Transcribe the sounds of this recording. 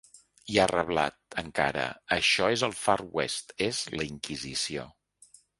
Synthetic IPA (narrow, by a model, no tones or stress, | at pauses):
iarəβla̰t̪̚əŋka̰ɾə̰əʃɔezəlˠfarwɛst̪ezləiŋkizisio